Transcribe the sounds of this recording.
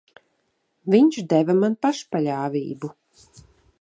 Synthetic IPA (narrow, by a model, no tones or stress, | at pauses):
vʲiɲʃd̪ɛvamanpaʃpalʲaːvʲḭːbu